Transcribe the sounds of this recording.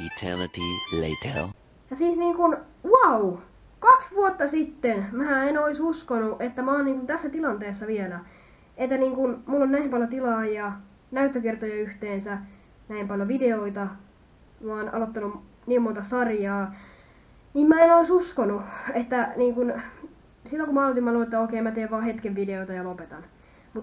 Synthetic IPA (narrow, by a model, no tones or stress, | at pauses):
jutʰɛ̰nətilḛtʰḛl | jɑsiːsniːŋkun | wɑu | kɑksʋuot̪ːɑsit̪ːenmæːenoisuskonuʔet̪ːæmæoːnniːŋkunt̪æsːæt̪ilɑnt̪eːsːɑʋielæ | et̪ːæniːŋkunmulːonnæimpɑljot̪ilɑːjɑ | næyt̪ːøkert̪ojɑyht̪eːnsæ | næimpɑljoʋideoit̪ɑ | mɑːnʔɑ̰lot̪ːɑnu | niːmont̪ɑsɑrjɑː | niːmmæenoisuskonuet̪ːæniːŋkun | silːoŋkumɑɑlot̪imːɑluet̪ːæoikeimːæt̪eːʋʋɑːhet̪keʋʋideoit̪ɑjɑlopet̪ɑ̰n | mut̪